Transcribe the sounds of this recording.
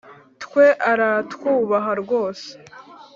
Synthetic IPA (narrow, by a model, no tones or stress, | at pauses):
tkwe̞ʔaɾatkuːβaɦaɾɡo̞ːse̥